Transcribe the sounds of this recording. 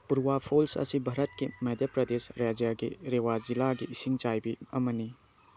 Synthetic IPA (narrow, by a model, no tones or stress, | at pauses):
puɾwapʰolsɐ̰sibʱaɾɐt̚kimɐdjapɾɐdesɾad͡ʒjaɡiɾewad͡ʒilaɡiʔːsiŋt͡ʃajbiɐmɐni